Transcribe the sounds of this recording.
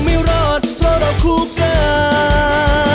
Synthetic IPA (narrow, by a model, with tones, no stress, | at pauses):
mi˧˥˦wɾɔː˧˩t̪̚pɾɔ˧ɾɔ˨˧˩kʰu˧kaː˧˩